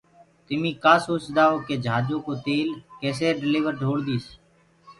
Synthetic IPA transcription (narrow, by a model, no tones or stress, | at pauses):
t̪ɪmĩːkaːsoːsd̪aːɦoːkeːd͡ʒʱaːd͡ʒõːkoːt̪eːlkeːs̬eːɖɪleːʋəɾɖʱoːɽd̪iːs